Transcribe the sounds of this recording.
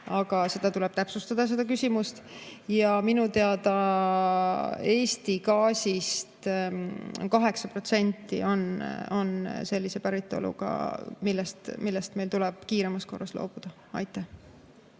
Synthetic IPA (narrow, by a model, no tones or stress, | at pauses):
ɑɡ̥ɑse̞d̪̥ɑt̪ulɛ̞b̥̚t̪æpsust̪ɑd̪̥ɑs̬e̞d̪̥ɑkysʲimust̪jɑminut̪e̞ɑd̪ɑ | e̞ːsʲt̪ikɑːsʲist̪ | kɑɦe̞ksɑpro̞t̪se̞nʲt̪ːˑḭo̞no̞nse̞lʲːise̞pæɾit̪ːˑo̞̰lṵɡ̥ɑ̰milːɛst̪milːɛst̪me̞jlt̪ulɛb̥kiːɾe̞mɑsko̞̰rːɑslo̞̰ːb̥ud̪̥ɑ | ɑjt̪ːˑæh